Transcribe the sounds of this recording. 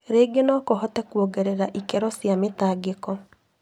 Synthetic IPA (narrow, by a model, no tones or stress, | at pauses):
ɾeːɡenɔːkɔɦɔtɛkuɔɡɛɾɛɾaʔikɛɾɔsjametaːɡekɔ